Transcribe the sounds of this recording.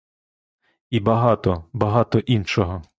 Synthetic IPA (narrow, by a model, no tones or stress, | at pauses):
ibɐɦɑt̪ɔbɐɦɑt̪ɔʔinʃɔɦɔ